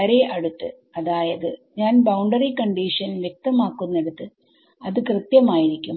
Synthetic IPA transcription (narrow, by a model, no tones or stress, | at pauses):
ɐɾeʔɐɽut̪ːɨ | ɐðaːjɐðɨɲaːnbɐwɳɖɐrikɐɳɖiːʂɐnʋjek̚t̪ɐmaːkːunːeɽut̪ːɨ | ɐðɨkrɨt̪jɐmaːjiɾikʲːum